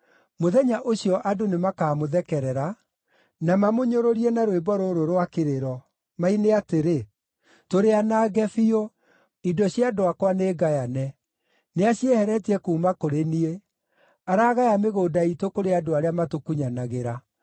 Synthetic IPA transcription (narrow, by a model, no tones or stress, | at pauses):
moðɛɲaʔoɕijɔʔadonemakaːmoðɛkɛɾɛɾa | namamoɲoɾoɾiɛnaɾwebɔɾoɾoɾwakeɾeɾɔ | maineateɾe | toɾeanaːɣɛfio | idɔɕjadoakwaneːɡajanɛ | neaɕiɛhɛɾɛtiɛkuːmakoɾenie | aɾaɣajameɣoːdaitokoɾeadoaɾeamatokuɲanaɣeɾa